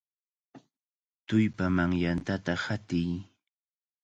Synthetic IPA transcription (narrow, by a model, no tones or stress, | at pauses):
t̪ʊjpamaŋjant̪at̪ahat̪ɪj